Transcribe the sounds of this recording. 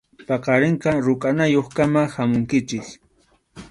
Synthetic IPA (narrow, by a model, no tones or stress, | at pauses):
pɑqɑɾɪɴqɑɾʊkʼanajoχkamahamʊŋkɪt͡ʃɪk